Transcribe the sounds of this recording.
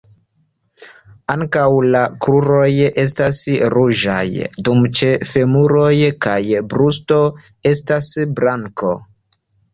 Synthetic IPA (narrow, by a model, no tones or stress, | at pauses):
aŋkawlakɾuɾo̞je̞s̬tasɾuʒa̰jdumt͡ʃe̞fe̞muɾo̞jkajbɾusto̞ | e̞stasbɾaŋko̰